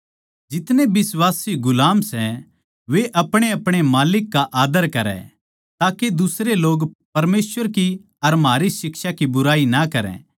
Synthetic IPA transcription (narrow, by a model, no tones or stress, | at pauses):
d͡ʒɪt̪nẽbɪswaːsiɡʊlaːmsɛ | ʋeʔɐpɽ̃eɐpɽ̃emaːlɪkːaʔaːd̪əɾkɐɾɛ̰̃ | t̪aːked̪ʊsɾeloːɡpɐɾmeːsʋəɾki | ɐɾmɦaːɾisɪkʃakibʊɾaːinɐkɐɾɛ̰̃